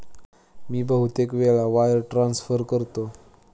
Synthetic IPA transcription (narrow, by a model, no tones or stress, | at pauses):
miːbəɦut̪ekʋeɭaʋajəɾʈɾansfəɾkəɾt̪o